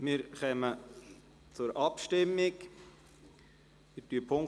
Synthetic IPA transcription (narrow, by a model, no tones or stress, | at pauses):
mɪɾχœmə | t͡sʊɾʔɑpʃtɪmːɪk | ɪtyəpʰoŋ